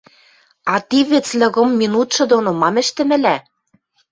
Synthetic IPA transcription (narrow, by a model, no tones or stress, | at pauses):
ɑt̪iβɘ̆t͡slɤ̆ɣɤ̆mːinut̪ʃɤ̆d̪onomɑmɘ̆ʃt̪ɘ̆mɘ̆læ